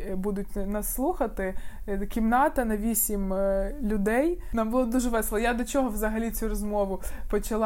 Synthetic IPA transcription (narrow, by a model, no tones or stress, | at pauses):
bud̪ʊt̚ʲnɐsːlˠuxɐt̪ɪkʲimnɑt̪ɐnɐʋʲisʲimlʲʊd̪ɛjnɑmbʊlˠɔd̪uʒɛʋɛslˠɐjad̪ɔt͡ʃɔɦɔʋzɐɦɐlʲit͡sʲurɔzmɔʋʊpɔt͡ʃɐlˠ